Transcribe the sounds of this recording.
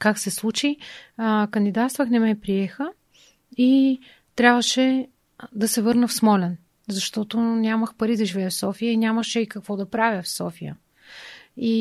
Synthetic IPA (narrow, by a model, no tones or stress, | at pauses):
kaksɛslˠut͡ʃi | kɐnd̪id̪at̪st̪vəxnɛmɛpɾiɛxə | i | t̪ɾʲabvəʃɛ | d̪ɐsɛvɤɾnəfsmɔlɛn | zɐʃt̪ɔt̪onʲaməxpɐɾid̪ɐʒivɛːfsɔfijəinʲaməʃɛikəkvɔd̪ɐpɾavʲjəfsɔfijə̰ | i